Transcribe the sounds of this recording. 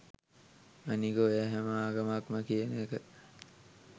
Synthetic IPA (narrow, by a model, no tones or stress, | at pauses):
maniɡoæɦæməaːɡamakməkijənekə